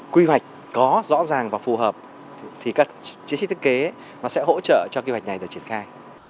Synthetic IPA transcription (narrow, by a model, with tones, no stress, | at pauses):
kwi˧wa˨˩jk̟̚ | kɔ˨˦zɔ̰˧˥zaː˨˩ŋvaː˨˩fu˨˩ɦəː˨˩p̚ | t̪ʰi˨˩kaː˦˥kt͡ɕi˨˦st̪ʰke˨˦ | nɔ˨˦sɛ̰˧˥ɦo̰˧˥t͡ɕə̰ː˧˨t͡ɕɔ˧kwi˧ha˨˩k̟̚na˨˩jɗɨ˨˩k̚t͡ɕi˧˩ənxaː˧j